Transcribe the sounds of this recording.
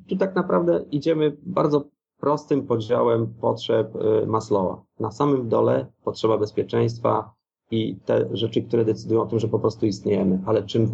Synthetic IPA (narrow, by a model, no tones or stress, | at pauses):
t̪ut̪aknapɾavd̪ɛid͡ʑɛmɘbaɾd̪zɔ | pɾɔst̪ɘmpɔd͡ʑawɛmpɔtʂɛpmaslɔva̰nasamɘmd̪ɔlɛpɔtʂɛbabɛspʲjɛt͡ʂɛj̃st̪fa̰ | it̪ɛ̰ʐɛt͡ʂɘkt̪uɾɛd̪ɛt̪sɘd̪ujɔ̃ɔt̪ɘmʐɛpɔpɾɔst̪uist̪ɲejɛmɘalɛt͡ʂɘm